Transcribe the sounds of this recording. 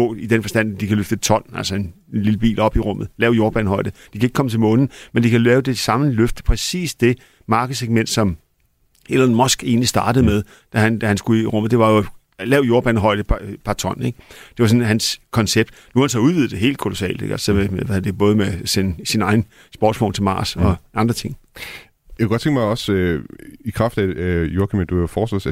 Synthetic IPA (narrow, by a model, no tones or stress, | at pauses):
ɔ̰̽ːid̥enfɒsd̥æn̰æd̥ikʰæløfd̥ət͡sʰɒ̽n̰ælsɒe̝n | enliləb̥ḭːlɒ̽b̥iʁɔ̽m̰ð̩ˠlɛ̰ʊjo̝ːɐb̥ænəhɒ̽ɪ̰d̥əd̥ikʰæe̝ɡ̥kʰɒ̽mət͡sʰe̝lmɔ̽ːnn̩mend̥ikælɛːʊd̥e̝sɑ̈məløfd̥ə̥pʰʁɛsḭːsd̥e̝ | mɑ̈ːɡ̥ð̩ˠseɡ̥̚men̰d̥sɒ̽m | elɐnmɒ̽sɡ̥e̝ːnlisd̥ɑ̈ːd̥əð̩ˠmeðˠ | d̥æhænd̥æhænsɡ̥uiʁɔ̽m̰ð̩ˠd̥e̝ʋɑ̈jo̝ | lɛʊjo̝ɐb̥ænð̩ˠɦɒ̽ɪ̰d̥əpʰɑt͡sʰɒ̽n̰eɡ̥̚d̥e̝ʋɑ̈sɔ̽nɦænskʰɒ̽nseb̥̚d̥ | nuhænsɒ̽uð̞ˠḭð̩ˠd̥e̝ɦe̝̰ːld̥̚kʰo̝lo̝sɛ̰ːld̥eɡ̥ælsɒmemeʋæhð̰ˠd̥b̥ɔ̽ːð̞̩ˠmesensinɑ̈ɪn̩ | sb̥ɒ̰ːdsmɔ̰nt͡sʰe̝lmɑ̰̈ːsɒ̽ʔɑ̈nd̥ʁɐt͡sʰe̝ŋ̰ | jakʰæɡɒ̥̽t͡sʰeŋɡ̥mɪɒ̽søikʰʁɑ̈fd̥æjo̝ɐkʰimæd̥ufɒːsdes